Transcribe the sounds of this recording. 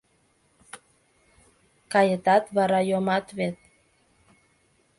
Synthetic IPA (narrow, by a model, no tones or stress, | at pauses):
kajet̪at̪βaɾajomat̪βet̪̚